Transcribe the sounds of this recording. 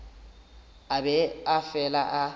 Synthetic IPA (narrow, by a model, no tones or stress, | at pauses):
abɛafɛlaʔa